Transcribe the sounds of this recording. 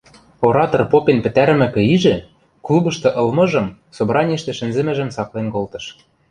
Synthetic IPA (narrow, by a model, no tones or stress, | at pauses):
oɾɑt̪orpopenpɘ̆t̪æɾ̆mɘ̆kɘ̆iʒɘ̆ | klubɤ̆ʃt̪ɤ̆ʔɤ̆lmɤ̆ʒɤ̆m | sobɾʔɑnʲiʃt̪ĕʃɘ̆nzɘ̆mɘ̆ʒɘ̆msɑklenkolt̪ɤ̆ʃ